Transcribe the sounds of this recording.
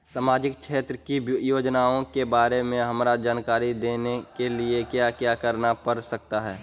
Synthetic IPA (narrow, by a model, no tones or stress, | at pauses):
saːmaːd͡ʒɪk̚ʃʰeːt̪ɾəkijoːd͡ʒnaõkebaːɾemẽɦɐmɾad͡ʒaːnkaːɾid̪eːnekeliekjakjaːkəɾnapəɾsək̚t̪aɦɛː